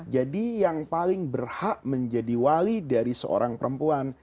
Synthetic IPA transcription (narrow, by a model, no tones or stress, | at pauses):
d͡ʒadijaŋpalɪŋbərhaʔməɲd͡ʒadiwaɾidaɾisə̰o̰ɾʔaŋpəɾəmpuan